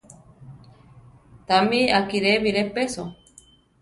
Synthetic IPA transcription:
t̪amiakiɾeβiɾepeso

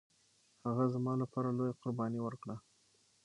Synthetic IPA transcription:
haɣazmɑlapɑɾalojaqʊɾbɑniwəɾkɽa

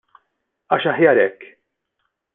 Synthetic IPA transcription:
ɐːʃɐħjɐːɾɛkː

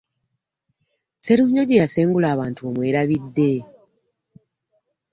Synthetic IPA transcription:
seɾuɲo̞ɟejase̞ːŋɡulaːβaːntuomwe̞ːɾaβidːe̞

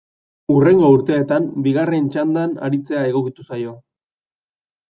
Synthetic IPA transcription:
ure̞ŋɡo̞uɾt̪e̞ːt̪ambiɣare̞nt͡ʃand̪ana̰ɾit͡se̞ae̞ɣ̞o̞kit̪usajo̞

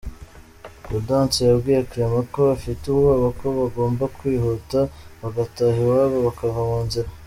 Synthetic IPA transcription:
kudaːnt͡sejabɡiːjakɾemako̞afituβɡoːβako̞βaɡo̞ːmbakwiːɦotaβaɡataɦiwaβaβakavamuːnziɾa

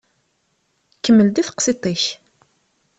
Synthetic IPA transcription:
kːəmːəld̪iθə̥qsit̪ˤiç

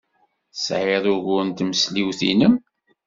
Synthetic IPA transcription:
sʕeðˤʊʝʊnt̪məsliwθḭnəm

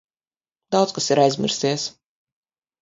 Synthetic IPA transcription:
d̪awt̪skasiɾajzʲmʲḭɾsiɛs

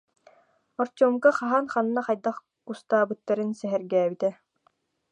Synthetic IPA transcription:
ɔɾt͡ɕuːmkaχaɦanχanːaχajd̪aχ | ust̪aːbɯt̪ːaɾɯnsɛɦɛɾɡɛːbit̪ɛ

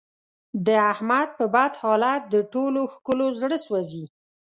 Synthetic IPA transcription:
d̪əahmad̪̚pəbad̪hɑlat̪̚d̪əʈoloxkəlozɽəswazi

